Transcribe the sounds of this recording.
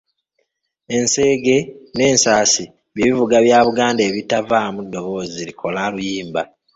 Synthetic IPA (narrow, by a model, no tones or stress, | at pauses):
e̞nse̞ːɡe̞ne̞ːnsaːsi | βjeːβivuɡaβjaːβuɡaːndeːβitavaːmudːo̞βo̞ːzilikʰo̞lalujiːmba